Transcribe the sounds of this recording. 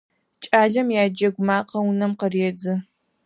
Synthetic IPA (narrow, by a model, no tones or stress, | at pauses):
t͡ʃʼaːɮɐmjaːd͡ʒɐɡʷʊmaːqʰɐwʊnɐmqəreːd͡zɨ